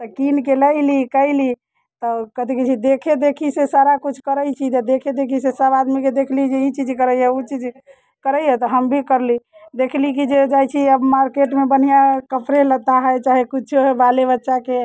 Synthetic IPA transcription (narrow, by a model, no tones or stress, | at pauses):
t̪əkinkeləɪlikəɪli | t̪ɔkət̪iket͡ʃʰid̪ekʰed̪ekʰisesaɾakut͡ʃʰkəɾəjt͡ʃʰit̪ɔd̪ekʰed̪ekʰisesəbad̪miked̪ekʰlid͡ʒeit͡ʃid͡ʒkəɾəjɛut͡ʃid͡ʒ | kəɾəjjɛt̪ɔɦəmbʱikəɾlid̪ekʰlik̬id͡ʒed͡ʒajt͡ʃʰiəbmaɾkeʈmebən̤ijakəpɾelət̪aɦəjt͡ʃaɦekut͡ʃʰoɦebalebətːʃake